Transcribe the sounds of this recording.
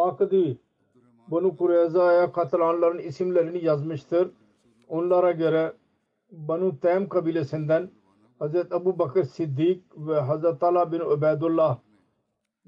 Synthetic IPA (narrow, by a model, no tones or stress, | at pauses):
paːkd̪iː | bɐnuːkʊɾeːzaːjaːkʰat̪laːnlɐɾənɪsɪmlɛɾɪnijɐzmɪʃt̪əɾ | ʊnlaːɾaːɡeɾɛː | bənuːt̪ɛːmkəbiːleːsɪnd̪ən | hɐzɾət̪ɐbuːbəkəɾsɪd̪ːiːk̚ʋeɦɐzɾət̪alaːbɪnəbɛːd̪ʊlːaː